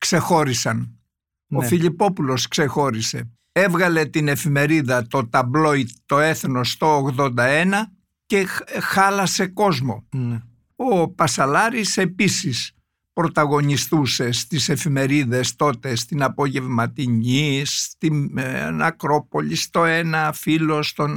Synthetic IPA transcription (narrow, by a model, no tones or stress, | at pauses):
kse̞xo̞ɾisɐn | ofiʎipo̞pulo̞skse̞xo̞ɾise̞̰ | e̞vɣɐle̞t̪ine̞fime̞ɾiðɐt̪o̞t̪ɐblo̞it̪t̪o̞e̞θno̞st̪o̞ːɣðo̞nd̪ɐenɐ | ce̞xɐlɐse̞ko̞zmo̞ | opɐsɐlɐɾise̞pisis | pɾo̞t̪ɐɣo̞nist̪use̞st̪ise̞fime̞ɾiðe̞st̪o̞t̪e̞st̪inɐpo̞ʝe̞vmɐt̪iɲist̪inɐ̰kɾo̞po̞ʎist̪o̞enɐfilo̞st̪o̞n